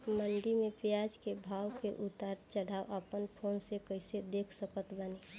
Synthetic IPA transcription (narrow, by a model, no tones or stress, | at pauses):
məɳɖimepjad͡ʒkebʱawkeʔut̪aɾt͡ʃəɽ̤ʱaoʔəpənpʰonsekəɪsed̪ekʰsəkət̪bəni